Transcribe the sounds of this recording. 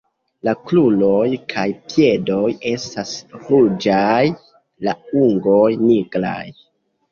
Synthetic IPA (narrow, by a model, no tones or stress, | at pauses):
laklulo̞jkʰajpje̞do̞je̞stasɾud͡ʒaj | lauŋɡo̞jniɡɾa̰j